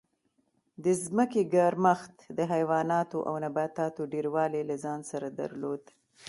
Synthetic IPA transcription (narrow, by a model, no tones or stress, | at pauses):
d̪əzməkeɡaɾmaxt̪d̪əɦajwɑnɑt̪oʔa̰wnabat̪ɑt̪oɖeɾwɑlelazɑnsaɾad̪a̰ɾlod̪